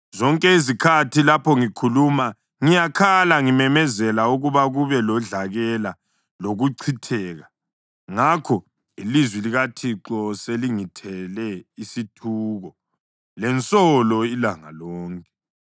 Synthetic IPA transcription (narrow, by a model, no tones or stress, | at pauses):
zɔŋkʼɛizikʰatʰilapʰɔŋikʰuluma | ŋijakʰalaŋimɛmɛzɛlauɣuβaɣuβɛlɔɮaɣɛla | loɣuǀʰitʰɛːɣa | ŋakʰɔ | ilizwiliɣatʰiǁɔseliŋitʰɛlɛisitʰuːɣɔ | lɛnt͡sʼɔlɔilaŋa̰lɔːŋkʼɛ̥